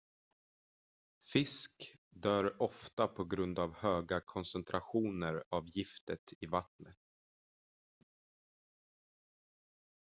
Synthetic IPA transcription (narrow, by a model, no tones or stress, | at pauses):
fɪsk | d̪œːɾɔft̪apʰɔɡɾɵnd̪avhøːɡakʰɔnsɛnt̪ʰɾʔaɧuːnəɾavjɪft̪ət̪ʰɪvat̪nət̪̚